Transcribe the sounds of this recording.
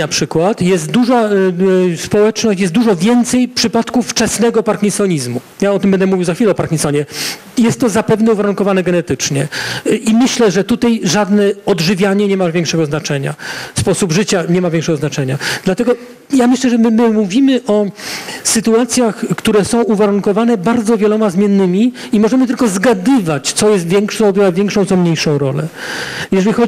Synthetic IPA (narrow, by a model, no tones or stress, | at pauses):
apʂɘkwat̪jɛst̪̚d̪uʐa | spɔwɛt͡ʂnɔɕt͡ɕjɛst̪d̪uʐɔvʲjɛnt̪sɛjpʂɘpat̪kufft͡ʂɛsnɛɡɔpaɾkʲinsɔɲizmu | jaɔt̪ɘmbɛnd̪ɛmuvʲiwzaxfʲilɛɔpaɾkʲinsɔɲɛ | jɛst̪ːɔzapɛvnɛuvaɾuŋkɔvanɛɡɛnɛt̪ɘt͡ʂɲɛʔimɘɕlɛʐɛt̪ut̪ajʐad̪nɛɔd̪ʐɘvʲjaɲɛɲɛmavʲjɛŋkʂɛɡɔznat͡ʂɛɲa̰fspɔsubʐɘt͡ɕaɲɛmavʲjɛŋkʂɛɡɔznat͡ʂɛɲad̪lat̪ɛɡɔ | jamɘɕlɛʐɛmɘmɘmuvʲimɘʔɔsɘt̪uat̪sʲjaxkt̪uɾɛsɔ̃w̃uvaɾuŋkɔvanɛbaɾd̪zɔvʲjɛlɔmazmʲjɛnːɘmʲi | imɔʐɛmɘt̪ɘlkɔzɡad̪ɘvat͡ɕt̪sɔjɛst̪vʲjɛŋkʂɔ̃dwavʲjɛŋkʂɔ̃t̪sɔmɲejʂɔ̃w̃ɾɔlɛ̰jɛʐɛlʲixɔ